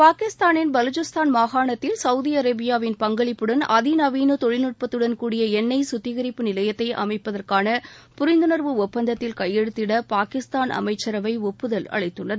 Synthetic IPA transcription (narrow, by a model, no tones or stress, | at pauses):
paːkɪst̪aːnɪnbɐlʊt͡ʃɯst̪aːnmaːɣaːɳɐt̪ːɪlsɐʊðiɐɾɐbɪjaːʋɪnpɐŋɡɐɭɪpːɯɽɐnɐðinɐʋiːnut̪ɔɻɪnɯʈ̚pɐt̪ːɯɽɐnkuːɽɪjɐɛnːɐɪsʊt̪ːɪɣɐɾɪpːɯnɪlɐjɐt̪ːɐɪʔɐ̰mɐɪpːɐðɐrkaːnɐpʊɾɪnd̪ɯnɐɾʋɯɔpːɐnd̪ɐt̪ːɪlkɐjːɛɽɯt̪ːɪɽɐpaːkɪst̪aːnʔɐ̰mɐɪt͡ʃːɐɾɐʋɐɪɔpːɯðɐlɐ̰ɻɐɪt̪ːɯɳːɐðɯ